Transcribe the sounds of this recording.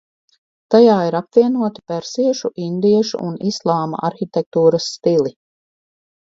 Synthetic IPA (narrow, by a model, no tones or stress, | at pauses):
t̪ajaːiɾapviɛnuɔt̪i̥pɛɾsiɛʃuʔind̪iɛʃṵʔunislˠaːma̰ʔaɾxit̪ɛk̚t̪uːɾɐsːt̪ili